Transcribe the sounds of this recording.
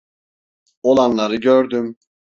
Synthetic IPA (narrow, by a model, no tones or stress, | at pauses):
o̞lˠanlˠaɾɯɟøɾd̪ym